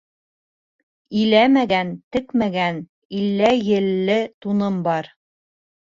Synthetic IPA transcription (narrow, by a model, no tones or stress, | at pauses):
ilæmæɡænt̪ɘ̆kmæɡæn | ilːæjɘ̆lːɘt̪unɤmbɑɾ